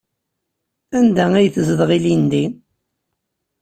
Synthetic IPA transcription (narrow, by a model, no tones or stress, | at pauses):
ænd̪ææjθəzəðʁilind̪in